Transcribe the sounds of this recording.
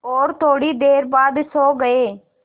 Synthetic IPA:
oːɾt̪ʰoːɽiːd̪eːɾbaːd̪soːɡəeː

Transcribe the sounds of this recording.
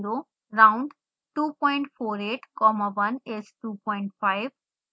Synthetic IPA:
ɾo | ɾãwʊ̃ɳɖ | ʈuːpɔ̃ɪɳʈfʰoːɾeːʈkɔmaʋɐnesʈuːpɔ̃ːɪ̃ɳʈfaɪʋ

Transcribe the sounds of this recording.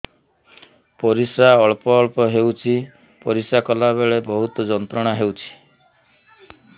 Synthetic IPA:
pɔɾisaɔɭpɔːɭpɔɦewt͡ʃʰi | pɔɾisakɔlabeɭebɔɦut̪ɔd͡ʒɔnt̪ɾɔɽ̃aɦewt͡ʃʰi̥

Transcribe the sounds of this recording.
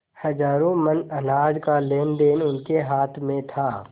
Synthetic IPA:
hɐd͡ʒaːɾõmənɐnaːd͡ʒkaleːnd̪eːnʊnkeɦaːt̪ʰmẽt̪ʰaː

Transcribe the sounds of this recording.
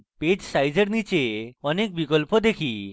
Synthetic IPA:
ped͡ʑsajd͡ʑeɾnit͡ʃeɔnek̚bikɔlpod̪ekʰi

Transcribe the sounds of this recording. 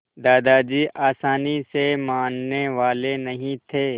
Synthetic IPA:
d̪aːd̪ad͡ʒiːʔaːsaːnisemãːnːeʋaːlenɐɦĩt̪ʰeː

